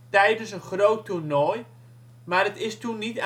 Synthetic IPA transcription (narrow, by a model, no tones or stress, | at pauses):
tɛjdəsənχrowturnɔj | maːrətɪstunːit